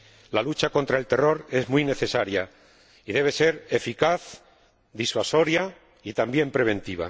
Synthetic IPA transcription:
lalut͡ʃako̞nt̪ɾae̞lt̪e̞ro̞ɾe̞zmwujne̞θe̞saɾja | iðe̞β̞e̞se̞ɾe̞fikaθ | d̪iswaso̞ɾja | it̪ambje̞mpɾe̞β̞ẽ̞nt̪iβ̞a̰

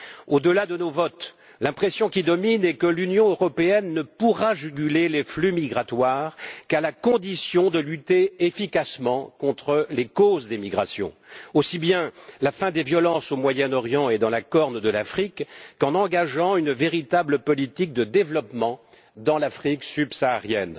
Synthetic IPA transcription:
od̪əlad̪ənovɔt̪ | lɛ̃pχesjɔ̃kʲid̪ɔminɛkəlynjɔ̃øʁɔpeɛnːəpuʁaʒyɡʲyleleflymiɡʁat̪waːʁkalakɔ̃d̪isjɔ̃d̪əlyt̪eefikasmɑ̃kɔ̃t̪χəlekozd̪emiɡʁasjɔ̰̃ | osibjɛ̃lafɛ̃d̪evjɔlɑ̃somwajɛnɔʁjɑ̃ed̪ɑ̃lakɔʁnd̪əlafχikːɑ̃nɑ̃ɡaʒɑ̃ynveʁit̪abləpɔlit̪ik̚d̪əd̪evlɔpmɑ̃ | d̪ɑ̃lafχiksybsaːʁjɛ̰n

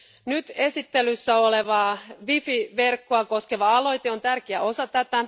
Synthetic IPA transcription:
nyt̪e̞sit̪ːelysːæoleʋɑːʋifiʋe̞rkːoɑko̞ske̞ʋɑɑlo̞jt̪eo̞nt̪ærkeæʔo̞sɑt̪æt̪æ

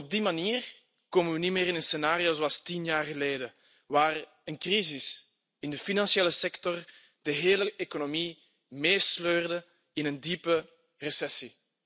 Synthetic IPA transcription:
ɔb̚dimaniːr | koːmənʋənimeːɾɪnənsenaːɾioːzoɑlˠstinjaːrɣəleːdə | ʋaːr | ənkrizɪs | ɪndəfinɑnsieːləsɛktɔr | d̥əɦeːləʔekonomi | meːsløːrdə | ɪnəndipə | rəsɛsi

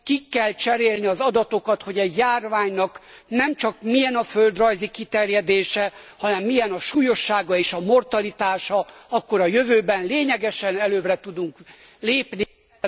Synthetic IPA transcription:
kikːɛlt͡ʃɛɾeːlniɒzɒd̪ɒt̪o̞kɒt̪ho̞ɟɛɟjaːrvaːɲnɒknɛmt͡ʃɒkmijɛnɒfø̞ld̪rɒjzikit̪ɛrjɛd̪eːʃɛhɒnɛmːijɛnɒʃuːjo̞ʃːaːɡɒeːʃɒmo̞rt̪ɒlit̪aːʃɒɒkːo̞ɾɒjøvøːbɛnleːɲɛɡɛʃɛnɛløːbrɛt̪ud̪uŋkleːpni

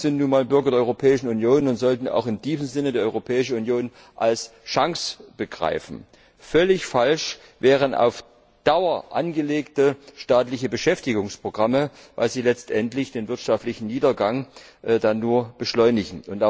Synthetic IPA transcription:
z̥ɪntnuːnmaːlbʏɐɡɐdeːʔɔʏʁopʰɛːɪʃn̩unjoːnʊntz̥ɔltn̩a̰ʊxɪmd̥iːzm̩zɪnədeːɐʔɔʏʁopʰɛːɪʃəunjoːn | ʔalsʃaŋsb̥əɡʁa̰ɪfn̩ | fœlɪçfalʃ | vɛːʁ̞ənʔa̰ʊf | d̥aʊɐʔa̰nɡəleːktəʃtaːtlɪçəbəʃɛftɪɡʊŋspʁ̥oɡ̥ʁaməva̰ɪlziːlɛt͡stʔɛntlɪçd̥eːnvɪɐtʃaftlɪçn̩niːdɐɡaŋʔdanːuːɐb̥əʃlɔʏnɪɡŋ̩ʊnta

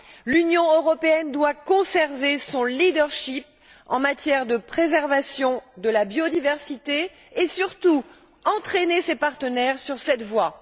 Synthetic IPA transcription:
lynjɔ̃øʁɔpeɛnd̪wakɔ̃sɛʁvesɔ̃lid̪œʁʃip̚ | ɑ̰̃mat̪jɛʁd̪əpχezɛʁvasjɔ̃d̪əlabjod̪ivɛʁsit̪eː | syʁt̪u | ɑ̃t̪χenesepaʁt̪ənɛʁsyʁsɛt̪vwa

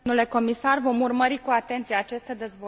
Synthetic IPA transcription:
ule̞ko̞misarvo̞murməɾikuat̪e̞nt̪sieaːt͡ʃest̪ed̪e̞zvo

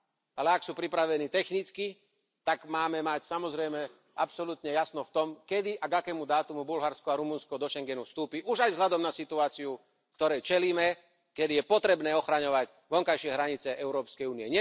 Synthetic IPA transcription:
alɛaksuːpɾipɾaʋɛniːt̪ɛxnit͡ski | t̪aɡmaːmɛmacsamɔzɾɛjmɛ | apsɔlut̪ɲɛjasnɔft̪ɔmkɛd̪iʔaɡakɛːmud̪aːt̪umubulɦaɾskɔaɾumunskɔd̪ɔʃɛŋɡɛnufst̪uːpiʔuʒajvzɦʎad̪ɔmnasit̪uaːt͡siu | kt̪ɔɾɛjt͡ʃɛliːmɛ | kɛd̪ijɛpɔt̪ɾɛbnɛːɔxɾaɲɔʋac | ʋɔŋkajʃɪɛɦɾaɲit͡sɛʔɛʊɾɔːpskɛjuːniɛɲɛ

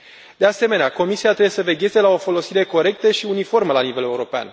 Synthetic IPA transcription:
d̪̥e̞ase̞me̞neako̞misiat̪ɾebjesəve̞ɡʲe̞zelao̞fo̞lo̞siɾe̞ko̞ɾe̞k̚t̪əʃiunifo̞rməlanive̞leuɾo̞pea̰n

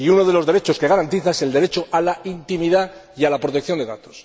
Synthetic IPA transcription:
iuno̞ð̞e̞lo̞zðe̞ɾet͡ʃo̞ske̞ɣaɾant̪iθaese̞ld̪e̞ɾe̞t͡ʃo̞alaint̪imiða | ialapɾot̪ek̚θjo̞nd̪e̞ðat̪os

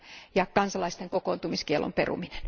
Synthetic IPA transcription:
jɑkɑnsɑlɑist̪eŋkokoːnt̪umiskielʔo̰mpḛrṵmine̥n

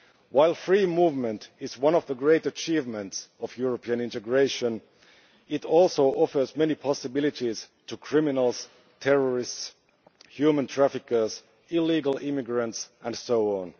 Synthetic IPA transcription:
waɪlˠfɹiːmuːvmə̃ntɪzwʌ̃nʌvðəɡɹeɪtət͡ʃʰivmə̃ntsʌvjʊɹəpʰiɨ̃nɪ̃ntɨɡɹeɪʃə̃n | ɪtɔlˠsoʊʔɔfə˞zmɛnipʰɑsɨbɪlˠɨtiz̥tʰukʰɹ̥ɪmɪnl̩ˠz̥ | tʰɛɹəɹɪsts | hjʉmə̃ntʰɹ̥æfɪkə˞z̥ | ɪliɡəl̩ˠɪmɪɡɹə̃ntsʔə̃nsoʊɔ̃n

